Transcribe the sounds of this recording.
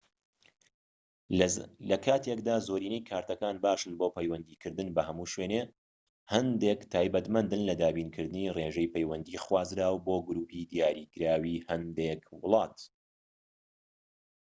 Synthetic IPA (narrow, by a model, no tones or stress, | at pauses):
lɐkʰaːt̪ʰekd̪aːzoɾiːnejkʰaːɾt̪ɐkaːnbaːʃɨnboːpɛjwɐnd̪iːkʰɨɾd̪ɨnbɐhɐmuːʃweːne | hɐnd̪eːkt̪ʰaːjbɐt̪mɐnd̪ɨnlɐd̪aːbiːnkʰɨɾd̪ɨnireːʒejpɐjwɐnd̪iːχwaːzɾaːwboːɡʊɾuːpid̪ijaːɾiːkɨɾaːwiːhɐnd̪eːkwʊlˠɑːt̪